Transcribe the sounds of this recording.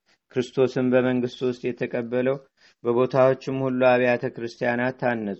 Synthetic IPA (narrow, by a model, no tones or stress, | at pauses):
kʰɾɨst̪ʰo̞sɨmbəməŋɡɨst̪ʼwʊst̪ʼjɛt̪ʰəkʼəbːələw | bəβo̞t̪ʰawo̞t͡ʃːɪmhulːuaβjat̪ʰəkɾɨst̪ʰijanat̪ʰːanːəsʼu